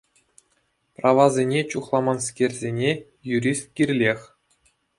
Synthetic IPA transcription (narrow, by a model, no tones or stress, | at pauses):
prɑʋɑzʲenʲet͡ɕuχlˠɑmɑnskʲerʲzʲenʲe | juɾʲist̪̚kʲirʲlʲexʲ